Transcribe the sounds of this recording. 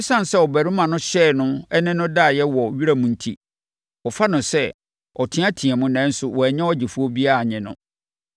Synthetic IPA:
ɪ̃˦sã˦n˨sɛ˦ɔ˨bæ˨ɾɪ̃˦mã˨nʊ̃˦ɕɛː˦˨nʊ̃˦ɛ˦nɪ̃˦nʊ̃˦da˦˨jɛ˦wɔ˨ɥi˦ɾa˦mʊ̃˨n̩˦tʰḭ˦ | ɔ˨fa˦nʊ̃˨sɛ˦ | ɔ˨tʰɪ̃˦ã˦tʰĩ˨ɛ̃˨mʊ̃˦nɛ̃˨˦n̩˦sʊ˨wɔ˨ɛ˨ɲɛ̃˦ɔ˦d͡ʑɪ˨fu˦o˦bi˦a˦a˨ɲɪ̃˨nʊ̰̃˨

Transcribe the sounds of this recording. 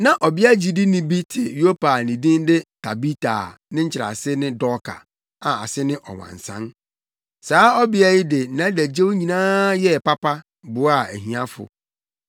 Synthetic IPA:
nã˨ʔɔ˨bɪ˦a˦d͡ʑi˨di˦nɪ̃˦bi˦tʰɪ˨jo˦pa˨nĩ˨dĩ˦ndɪ˦tʰa˨bi˦tʰa̰˨nɪ̃˦ɲ̩˦t͡ɕʰɪ˨ɾa̰˨sɪ˦nɪ̃˦dɔ˦kʰa̰˨ | a˨a̰˨sɪ˦nɪ̃˦ʔɔ̰˨wã̰˨n̩˨sã̰˦n | saː˨˦ɔ˦bɪ˦a˨jɪ˦dɪ˨˦˨nã˨˦dæ˨d͡ʑe˦wɲĩ˨nãː˦jɛ˦˨pa˦pa˦ | bʊ˨˦a˨æ˨ɦĩ˨ã˦fʊ̰˨

